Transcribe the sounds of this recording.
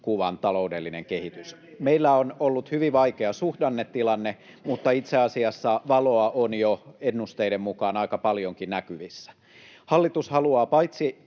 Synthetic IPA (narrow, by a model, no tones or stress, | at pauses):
kuʋɑnt̪ɑloudelːineŋkehit̪ysmeilːæonolːut̪hyʋiʋɑikeɑsuhdɑnːet̪ːilɑnːe | mut̪ːɑit̪seɑsiɑsːɑʋɑloɑʔonjoenːust̪eidemmukɑːnɑikɑpɑljoŋkinnækyʋisːæ̥ | hɑlːit̪ushɑluɑːpɑjt̪si